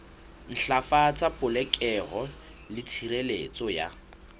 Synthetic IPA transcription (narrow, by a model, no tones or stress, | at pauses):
n̩ɬafat͡sʼapʊlɛkʼɛɣɔ | lɪt͡sʰiɾelḛt͡sʼɔja̰